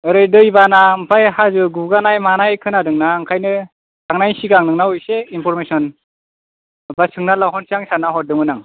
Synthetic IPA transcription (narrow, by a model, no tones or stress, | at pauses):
ɯɾɯjdɯjbanaɯmpʰajhazɯɡuɡanajmanajkʰɯnadɯŋnaŋkʰajnɯ | tʰaŋnajsiɡaŋnɯŋnawɯjseinpʰɔɾmesɔn | basɯŋnalawɦɔnsiaŋsanaɦɔt̚dɯŋɯnaŋ